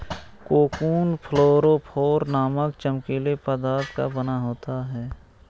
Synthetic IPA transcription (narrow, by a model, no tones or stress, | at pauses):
koːkuːnpʰəloːɾopʰoːɾnaːməkt͡ʃəmkiːlepəd̪aːɾt̪ka̰bənaɦoːt̪aɦɛː